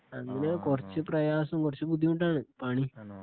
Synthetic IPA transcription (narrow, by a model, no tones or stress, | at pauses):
ɐŋːɐnekurɐt͡ɕːɨprɐjaːsɐmkurɐt͡ɕːɨbud̪ʱːiuɳʈaːɳɨpaːɳi